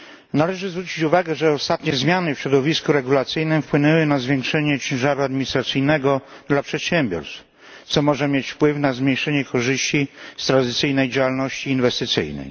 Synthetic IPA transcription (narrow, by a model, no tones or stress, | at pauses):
nalɛʐɘzvɾut͡ɕit͡ɕuvaɡɛʐɛɔst̪at̪ɲɛzmʲjanɘfɕɾɔd̪ɔvʲiskuɾɛɡulat̪sɘjnɘmfpwɘnɛwɘnazvʲjeɛŋkʂɛɲɛt͡ɕɛ̃w̃ʐaɾuad̪miɲist̪ɾat̪sɘjnɛɡɔd̪lapʂɛt̪ɕɛmbʲjɔ̰ɾst̪f | t̪sɔmɔʐɛmʲjet͡ɕfpwɘfnazmʲɲejʂɛɲɛkɔʐɘɕt͡ɕist̪ɾand̪ɪt̪sɘjnɛjd͡ʑawalnɔɕt͡ɕiːnvɛst̪ɪt̪sɘ̰jnɛ̰j